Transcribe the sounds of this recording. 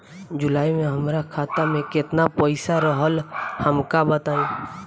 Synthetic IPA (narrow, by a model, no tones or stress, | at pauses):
d͡ʒʊlaːimẽɦəmɾakʰaːt̪amẽkɪt̪napəɪsaɾəɦəlhəmkabət̪aːĩː